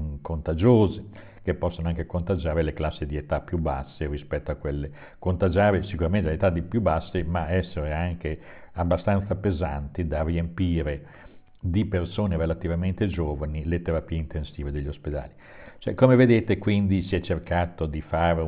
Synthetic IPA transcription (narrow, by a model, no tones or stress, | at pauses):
kont̪ad͡ʒoːze | kepːɔsːonoaŋkekont̪ad͡ʒaːɾeleklasːid̪iet̪apːjuba̰sːeɾispɛt̪ːoakwelːe | kont̪ad͡ʒaːɾesikuɾament̪elet̪ad̪ipjubasːemaɛsːeɾeaŋke | abːast̪ant̪sapezant̪id̪ariempiːɾe | d̪ipersoːneɾelat̪ivament̪ed͡ʒoːvanilet̪eɾapiːeint̪ensiːved̪eʎːosped̪a̰ːli | t͡ʃoɛkomeved̪eːt̪ekwind̪isiɛt͡ʃːerkaːt̪od̪ifaːɾe